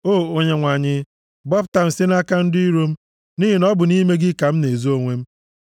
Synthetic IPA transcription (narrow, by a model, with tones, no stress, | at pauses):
o˦˨o˦ɲe˦ŋʷa˨ɲɪ˦ | bɔ˦bta˨m̩˨sɪ˦na˦ka˦n̩˦dʊ˦i˦ɾo˦m̩˦ | ni˦ɦi˨nɔ˦bʊ˨ni˦me˦ɡɪ˦ka˨m̩˦ne˨zo˦ŋʷe˦m̩˦